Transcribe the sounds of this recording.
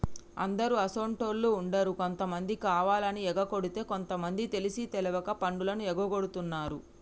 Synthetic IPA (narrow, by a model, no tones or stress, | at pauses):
ɐ̰nd̪ɐɾuɐsoːɳʈoːɾluuɳɖɐɾuko̞nt̪ɐmɐnd̪ikaːʋaːlɐniɛɡɐko̞ɽut̪e̞ːko̞nt̪ɐmɐnd̪it̪e̞lisit̪ɛluʋɐkɐpɐɳɖulɐnuɛɡɐɡo̞ɽut̪unːaːɾu